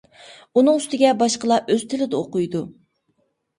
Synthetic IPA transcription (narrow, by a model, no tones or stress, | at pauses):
unɨŋyst̪ɪɡʲɛbɑʃqəlˠɑʔøz̥t̪ʰɪlɪd̪ɛoqʊjd̪u